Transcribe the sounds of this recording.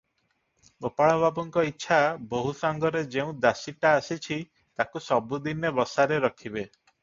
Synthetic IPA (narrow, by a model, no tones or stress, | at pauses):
opaɭɔbʱabɔŋkɔitːʃʰaboɦusaŋɡɔɾed͡ʒeũd̪asiʈaːsit͡ʃʰi | t̪akusɔbud̪inebɔsaɾeɾɔkʰibe